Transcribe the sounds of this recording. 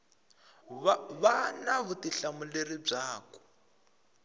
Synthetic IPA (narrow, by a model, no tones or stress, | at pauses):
βanaβutiɬamuleɾib͡ʐaːkɔ̥